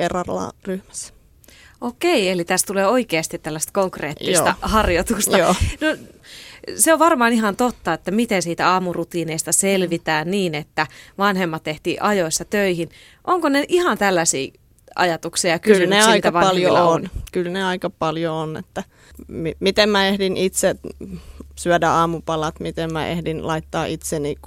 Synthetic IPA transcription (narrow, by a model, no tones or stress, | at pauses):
erɑrlɑ̰ːryhmæ̥s | ʔokeielit̪æst̪uleːoikeːst̪it̪t̪ælːæst̪koŋkrḛːt̪ːisːt̪ɑhɑrjot̪ust̪ɑoːno | seoʋʋɑrmɑːnihɑnt̪ot̪ːɑet̪ːæmit̪ensiːt̪æɑːmurut̪iːneist̪ɑselʋit̪æːnniːnet̪ːæʋɑnhemːɑt̪t̪eht̪ḭːʔɑjoisːɑt̪øihin | ʔoŋkoneʔihɑnt̪ælːæsḭː | ɑ̰jɑt̪uksijɑkyslyneɑiik̪ɑæʋɑɑljoonkylneɑikɑpɑljoonḛt̪ːæ | mimit̪emmæehdinʔit̪se | syædæɑːmupɑlɑt̪mit̪emmæ̰ʔḛhdinlɑit̪ːɑːʔit̪senik